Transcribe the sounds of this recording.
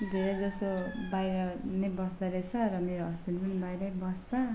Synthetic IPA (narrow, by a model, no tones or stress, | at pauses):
d̪ʱeɾʌd͡zʌsobajɾʌnebʌsd̪ʌɾet͡sʰʌɾʌmeɾoɦʌspilpʌnibajɾʌbʌst͡sʰʌ